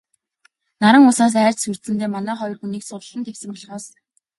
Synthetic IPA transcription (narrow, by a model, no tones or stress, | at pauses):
naɾə̆ŋʊsaːs̬æːr̥ʲt͡ɕsur̥t̪sɘ̆nt̪eːmanæːχɔjɞ̆rxuniːksʊtəɮə̆nt̪ʰewsɘ̆mpɔɮʁɔːs